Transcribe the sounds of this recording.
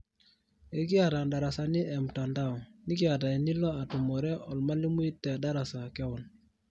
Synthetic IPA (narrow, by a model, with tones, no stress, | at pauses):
e˦k̬ɪ˦a˨ta˨nda˨ɾa˨sa˨nɪ˦ʔɛ˨m˨ta˨nda˦ɔ˨nɪ˦kɪ˦a˨ta˨i˨ni˦lɔ˦a˨tu˨mɔ˨ɾɛ˦ɔ˨lma˦li˦mu˦i˦tːɛ˨da˦ɾa˨sa˨kɛ˦ɔ˨n